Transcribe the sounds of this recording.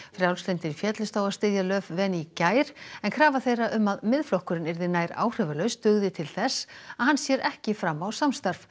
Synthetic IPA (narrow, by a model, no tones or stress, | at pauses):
fɾjawlslɪnt̪ɪnfjɛːt̪lʏst̪aːwast̪ɪðjalœːvvɛnicaːjɾ̥ɛnkʰɾaːvaθejrːaʔʏmːaðmɪðflɔhkʏɾɪnɪɾðɪnaːjɾa̰ːwr̥ɪvalœɥst̪ʏɣðɪt̪ʰɪlθɛsːaðɦanːsjɛːɾʔɛhcɪfɾamːawsamst̪aɾf